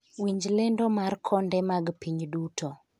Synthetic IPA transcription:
wiɲd͡ʒlendɔmarkʰɔndɛmaɡpiɲdutʰo

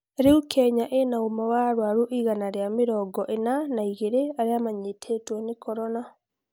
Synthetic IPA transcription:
ɾeukʰɛɲaʔenaomawaɾwaɾuʔiɣanaɾjameɾɔːɡɔʔenanaiɣeɾeaɾeamaɲetʰetwɔnekʰɔɾɔna

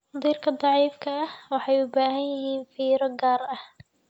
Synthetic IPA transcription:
d̪iːrkʰɐd̪ˤɑʕiːfkʰɐɐhwɑħɑjʊbaːɦɐnjɪɦiːnfiːɾɔɡaːrɐh

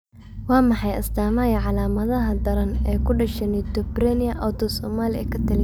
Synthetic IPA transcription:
wɑːmɑħɑjɐ̰sd̪aːmɐjɐʕɑlaːmɐðɐɦɐd̪ɐɾɐnɛːjkʰʊɖɐʃɐnɪt̪ɔbɾɛnɪɐʔɔwt̪ɔsɔːmaːlɪɛ̰kʰɐt̪ʰɐlɪ

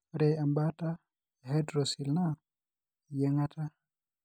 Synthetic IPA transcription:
ɾɛjambata | ɦɛdɾosilna | jɛŋata

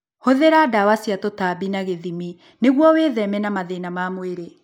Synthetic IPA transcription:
hoðeɾadawasiatotabinaɣeðimi | neɣwɔweːðɛmɛnamaðenamamweɾe

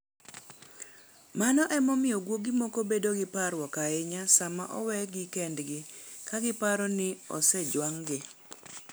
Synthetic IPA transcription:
manɔʔɛmɔmɪɔɡwoɡimɔkobedoɡɪpaɾwɔkaɪɲasama̰ʔɔ̰wɛɡɪkɛndɡɪkaɡɪpaɾɔnɪɔ̰sɛd͡ʒwaŋɡɪ

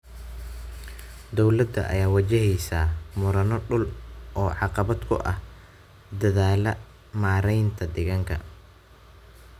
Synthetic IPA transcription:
d̪ɔwlɐd̪ɐ̰ʔɐ̰jaːwɐt͡ʃɛɦɛjsaːmʊɾɐnɔɖʊlʔɔːʕɑqɑβɐd̪kʰʊ̰ʔɐ̰h | d̪ɐðaːlɐ | maːɾɛjnt̪ʰɐd̪ɪɣɐŋkʰɐ̰

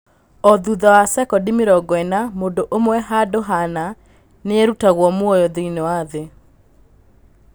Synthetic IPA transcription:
ɔðuðawasɛkɔdimiɾɔɡwɛnamoːdoʔomwɛɦadoɦana | neeɾutaɣwɔmwojɔðiinewaðe

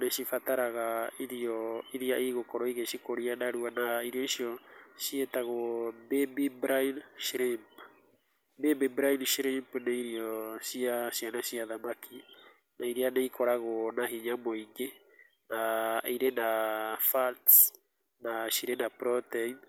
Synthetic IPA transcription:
nɛʃifataɾaɣaiɾioiɾiaʔiɣokɔɾɔiɣeʃikoɾianaɾuanaiɾioisioʃietaɣobebibɾajnʃiɾimp | bebibɾainʃiɾimpneiɾiɔsiaʃianaʃiaðamaki | naiɾianeikoɾaɣonaɦiɲamoiɡe | naiɾenafalt | naʃiɾenapɾɔtɛin

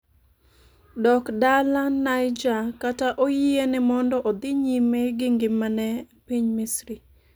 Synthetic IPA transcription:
dɔkdalanajd͡ʒakataʔojienɪmɔndɔʔɔd̪ɪɲimeɡɪŋɡɪmanɛpiɲmisɾi

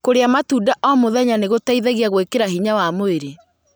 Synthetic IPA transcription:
koɾeamatudaʔɔmoðɛɲaneɣotaiðɛɣiaɣwekeɾaɦiɲawamoeɾe

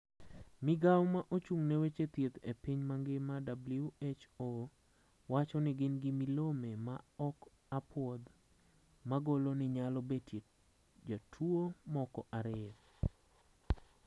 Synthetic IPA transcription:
mɪɡawmaʔot͡ʃuŋnewet͡ʃet̪jet̪epiɲmaŋɡɪmadabljuet͡ʃo | wat͡ʃɔnɪɡɪnɡɪmilomemaɔk | apʰwɔd̪ | maɡolonɪɲalɔbete | d͡ʒatʰwomɔkɔʔaɾɪ

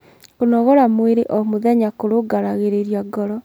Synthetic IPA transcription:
konɔɣɔɾamweɾeʔɔmoðɛɲakoɾoɡaɾaɣeɾeɾjaɡɔɾɔ

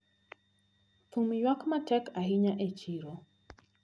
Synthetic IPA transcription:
fumjwakmatʰɛkaɦiɲaʔet͡ʃiɾɔ

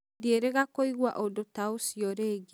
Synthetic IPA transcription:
dieɾeɣakoiɣwaʔodotaosiɔɾeɡi

